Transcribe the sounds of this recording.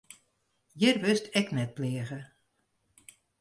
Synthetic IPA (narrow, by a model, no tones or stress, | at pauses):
jɪrʋʏstʰɛknɛt̚plɪəɣə